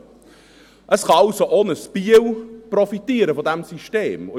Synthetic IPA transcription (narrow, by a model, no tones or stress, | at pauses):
ʔəsχɑɑʊsoʔoːnəspiəwprɔfitiːəɾəfɔdæmsiʃteːmʊ